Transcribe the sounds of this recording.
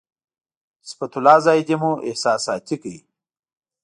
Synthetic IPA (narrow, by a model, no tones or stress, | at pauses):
spɐt̪ulaːzaːjd̪emuʔehsaːsaːt̪ikəi